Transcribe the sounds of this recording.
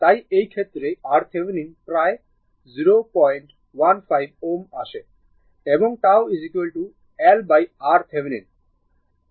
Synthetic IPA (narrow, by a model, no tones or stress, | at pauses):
t̪ajejkʰet̪ːɾeaɾt̪ʰeʋeninpɾaj | ziɾopɔjɳʈ | ʋanfʰajboma̰ʃe | ebɔŋʈawizikʋelʈu | ɛlbajaɾt̪ʰeʋenin